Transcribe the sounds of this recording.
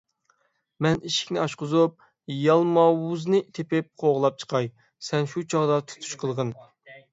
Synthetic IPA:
mɛniʃi̥kʲnɪɑʃqʊzup̚ | jɑlˠmɑwuznɨt̪ʰepɪp̚qʰoʁlˠɑp̚t͡ʃʰə̥qʰɑj | sɛnʃut͡ʃʰɑʁd̪ɑt̪ʰu̥t̪ʰu̥ʃqʰəlˠʁən

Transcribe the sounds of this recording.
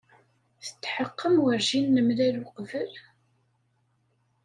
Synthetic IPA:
θə̥t͡s̪ːħəqːəmwəɾʒinːəmlæluqvəl

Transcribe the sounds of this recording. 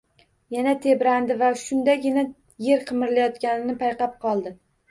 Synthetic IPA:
janat̪ʰe̞bɾand̪ɪvaʃʊnd̪aɡʲɪna | je̞ɾqʰɨmɪɾlajɒt̪kʲanɪnɪpʰajqɑp̚qʰɒlˠd̪ɪ

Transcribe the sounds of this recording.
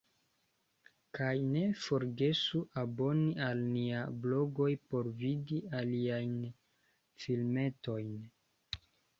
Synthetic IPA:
kajne̞fo̞ɾɡe̞suʔabo̞nialniablo̞ɡo̞jpo̞ɾvidialiajn | filme̞to̞jn

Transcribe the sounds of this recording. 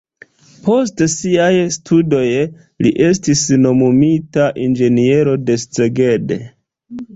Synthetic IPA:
po̞stsiajstʰudo̞j | liʔe̞s̬tisno̞mumitaʔind͡ʒe̞nie̞ɾo̞de̞st͡se̞ɡe̞de̞̰

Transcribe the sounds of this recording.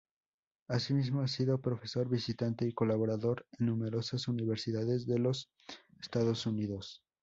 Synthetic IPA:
asimizmo̞asiðo̞pɾo̞fe̞so̞ɾβisit̪ant̪e̞iko̞laβo̞ɾaðo̞ɾenːũme̞ɾo̞sasuniβ̞e̞ɾsiðaðe̞zðe̞lo̞s | est̪aðo̞suniðo̞s

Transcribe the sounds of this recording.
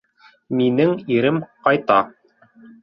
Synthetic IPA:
minɘŋiɾɘmqɑjt̪ɑ

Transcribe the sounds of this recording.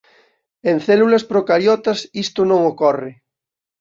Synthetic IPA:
ẽn̟θɛlulaspɾokaɾjɔt̪asist̪onõŋokɔrɪ

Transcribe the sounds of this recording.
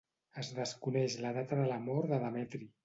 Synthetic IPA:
əzðəskunɛʃləðat̪əðələmoɾðəðəmɛt̪ɾi

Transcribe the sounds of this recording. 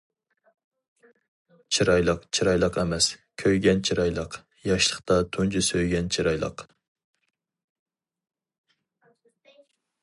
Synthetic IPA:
t͡ʃʰiɾɑjlˠəqt͡ʃʰiɾɑjlˠəqɛmɛskʲʰøjɡʲɛnt͡ʃʰiɾɑjlˠəq | jɑʃlˠəχt̪ɑt̪ʰund͡ʒʰusøjɡʲɛnt͡ʃʰiɾɑjlˠə̰q

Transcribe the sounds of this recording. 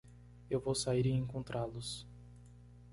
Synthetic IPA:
ewvowsaiɾiẽŋkõnt̪ɾalʊs

